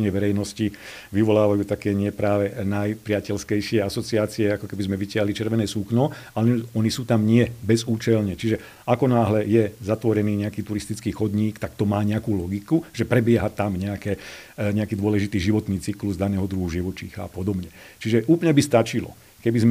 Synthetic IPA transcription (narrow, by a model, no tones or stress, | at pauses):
ɲɛʋɛɾɛjnɔsci | ʋiʋɔlaːʋajuːt̪akɛːɲɪɛpɾaːʋɛnajpɾɪacɛlskɛjʃɪɛasɔt͡siaːt͡siɛakɔkɛbizmɛʋicɪaɦlit͡ʃɛɾʋɛnɛːsuknɔalɛnɔnisuːt̪amɲɪɛbɛzuːt͡ʃɛlɲɛt͡ʃiʒɛ | ʔakɔnaːɦlɛjɛzat̪ʋɔɾɛniːɲɛakiːt̪uɾist̪it͡skiːxɔd̪ɲiːkt̪akt̪ɔmaːɲɛakuːlɔɡikuʒ̥ɛpɾɛbɪɛɦat̪amɲɛakɛː | ɲɛakiːd̪ʊɔlɛʒit̪iːʒiʋɔt̪niːt͡sikluzd̪anɛːɦɔd̪ɾuɦuʒiʋɔt͡ʃiːxa̰ːpɔd̪ɔbɲɛt͡ʃiʒɛʔuːplɲɛbist̪at͡ʃilɔ̰ | kɛbizm